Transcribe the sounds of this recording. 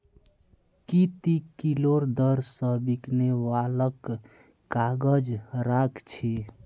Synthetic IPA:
kit̪ikiloɾd̪əɾsəbiknewaləkː | aɡəd͡ʒɾakt͡ʃʰi

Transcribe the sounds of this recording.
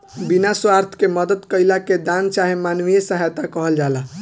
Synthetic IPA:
binaswaɾt̪ʰkeməd̪əd̪kəjlaked̪ant͡ʃaɦemanʋijesəɦajt̪akəɦəld͡ʒala

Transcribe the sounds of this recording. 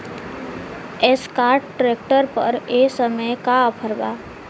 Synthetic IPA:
eskaːɾʈːʈɾek̚ʈəɾpə̰ɾesəməjkapʰəɾba̰

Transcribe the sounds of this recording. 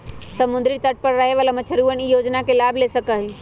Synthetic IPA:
səmund̪ɾit̪əʈ̚pəɾːəɦeʋalamət͡ʃʰəɾuənijod͡ʒnakelabʱlesəkəɦi

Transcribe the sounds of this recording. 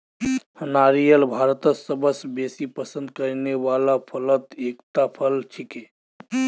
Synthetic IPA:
hənaɾijəlbʱaɾt̪əsəbəsbesipəsə̃nd̪̚kəɾneʋalapʰələt̪ekt̪apʰəlt͡ʃʰike

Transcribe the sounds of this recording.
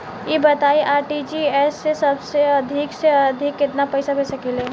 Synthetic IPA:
jebət̪aiʔaːɾʈid͡ʒiɛsːesəbseəd̪ʱikseəd̪ʱikːɪt̪napəɪsabʱesəkele

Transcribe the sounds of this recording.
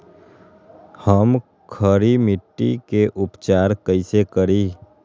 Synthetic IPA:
həm | kʰəɾimɪʈːḭkeʔʊpt͡ʃaːɾkəisekəɾiː

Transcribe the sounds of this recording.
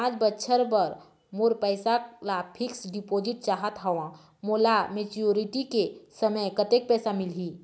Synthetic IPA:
ãːt͡ʃbətːʃʰəɾpəɾ | moːɾpəɪsalapʰɪksɖipoːd͡ʒɪʈ̚t͡ʃaːɦət̪ɦɔʋã | moːlamet͡ʃoɾiʈikesəməjkət̪ek̚pɛːsamɪlɦi

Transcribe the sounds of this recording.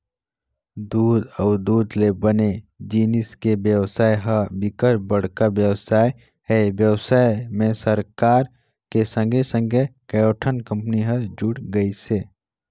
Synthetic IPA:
d̪uːd̪ɔːd̪uːd̪lebəned͡ʒiːnɪskebjəwsaːjɦəbɪkəɾbəɽ̤kabjəwsaːj | ɦɛbjəwsaːemẽsəɾkaːɾ | kesə̃ŋɡʱesə̃ŋɡʱekɐjoːʈʰənkə̃mpniɦɐɾd͡ʒʊɽɡəiseː

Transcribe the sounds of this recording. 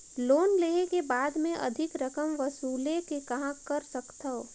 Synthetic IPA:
loːnleːɦekebaːd̪mẽʔɐ̰d̪ʱɪkɾɐkəmʋɐsuːlekekɐɦãkɐɾsɐkt̪ɐo

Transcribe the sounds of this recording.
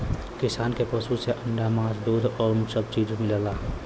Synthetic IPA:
kɪsaːnkepɔsuseʔə̃ɳɖamãːsd̪uːd̪ɔːɾmusəb̚t͡ʃiːd͡ʒũmɪləlaː

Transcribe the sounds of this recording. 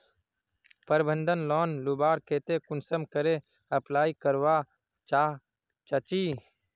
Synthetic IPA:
pəɾbə̃nd̪ʱənlɔːnlubaːɾkʰeːt̪ekʊnsəmkəɾe | əplaːikəɾwa | t͡ʃaː | t͡ʃət͡ʃiː

